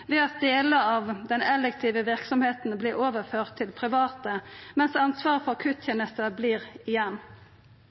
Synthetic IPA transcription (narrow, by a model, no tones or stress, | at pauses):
ʋɛːɑt̪̚d̪eːləɑːʋd̪ɛnɛlɛk̚t̪ʰiːʋəʋɪʁksɔmheːt̪n̩bliːɾoːʋəʁføːʁt̪ʰːɪlpʰʁɪʋɑːt̪əmɛnsɑnsʋɑːʁfɔʁkʰʉːt̪ʰeːnəst̪əbliːɾɪjɛnː